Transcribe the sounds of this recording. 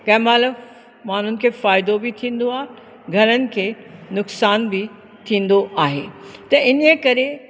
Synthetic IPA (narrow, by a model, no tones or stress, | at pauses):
kɐ̃ːmaːləʋ | maːn̤ʊnɪ̆kʰeːfaːɪd̪obɪt̪ʰĩːn̆d̪oaːɦe | ɡʱɐɾənɪ̆kʰeː | nʊksaːnbɪ | t̪ʰĩːn̆d̪oʔaːɦeːt̪ɐʔɪnəkɐɾe